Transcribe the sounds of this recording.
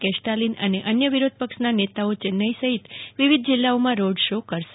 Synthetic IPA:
kɛʃʈalinə̰neʔənjəʋiɾod̪̚ʱpəkʃnanet̪aot͡ʃenːəisəɦit̪ʋiʋid̪ʱd͡ʒilːaomãɾoɖʃokəɾʃ

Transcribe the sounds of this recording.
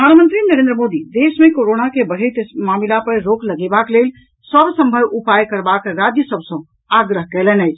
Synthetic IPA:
pɾəd̪ʱanmənt̪ɾinəɾẽnd̪ɾəmod̪id̪esmẽkoɾonakebəɽ̤et̪mamilapəɾɾokləɡebaklel | səbsə̃mbʱəbupajkəɾbakɾad͡ʒjəsəbʱsə̃ | aɡɾəɦkɛlənɛt͡ʃʰ

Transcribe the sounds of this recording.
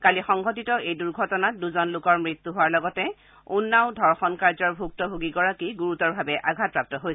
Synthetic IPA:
kalixɔŋɡʱɔtitɔʔejduɹɡʱɔtɔnat̚duzɔnlʊkɔɹmɹit̪ːuɦowaɹlɔɡɔtɛ | unːaʊdʱɔɹxɔnkaɹzɔɹbʱuk̚tɔbʱuɡiɡɔɹakiɡuɹutɔɹbʱabɛʔaɡʱat̚pɹap̚tɔɦojsɛ

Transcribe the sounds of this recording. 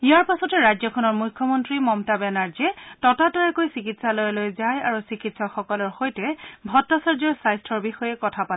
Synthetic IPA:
ijaɹpasɔtɛɹajzɔkʰɔnɔɹmujkʰːɔmɔntɹimɔmtabɛnaɹd͡ʒiɛtɔtatɔɛkojsikitsalɔjlojzajaɹusikitsɔkxɔkɔlɔɹxojtɛbʱɔtːasaɹzɔjsajstʰɔɹbixɔjɛkɔtʰapatɛ

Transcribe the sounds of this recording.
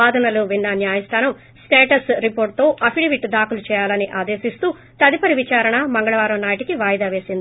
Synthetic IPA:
aːd̪ɐnɐluʋinːɐnjaːjɐst̪ʰaːnɐm | sʈeːʈɐsɾipoːɾʈ̚t̪o̞ːʔɐpʰiɽiʋiʈd̪aːkulut͡ʃɛːjaːlɐniʔaːd̪e̞ːʃist̪uː | t̪ɐd̪ipɐɾiʋit͡ʃaːɾɐɳɐmɐŋɡɐɭɐʋaːɾɐmnaːɐʈikiʋaːjd̪aːʋe̞ːsind̪ii

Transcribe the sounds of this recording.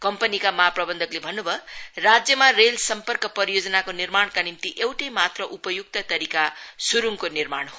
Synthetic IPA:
kʌmpʌnikamʌɦaprʌbʌnd̪ʱʌklebʱʌnːubʱʌrad͡zjʌmarelsʌmpʌrkʌpʌɾijod͡zʌnakonirmaɳkanimt̪iʔewʈʌjmat̪rʌʔupʌjuk̚t̪ʌt̪ʌɾikasuɾuŋkonirmaɽ̃ɦo

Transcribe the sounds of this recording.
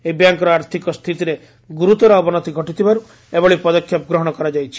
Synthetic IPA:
ebjaŋkɔɾɔaɾt̪ʰikɔst̪ʰit̪iɾe | ɡuɾut̪ɔɾɔɔbɔnɔt̪iɡʱɔʈit̪ʰibaɾu | ebɔɭipɔd̪ɔkʰːjɔpɔɡɾɔɦɔɽ̃ɔkɔɾad͡ʒajt͡ʃʰi̥

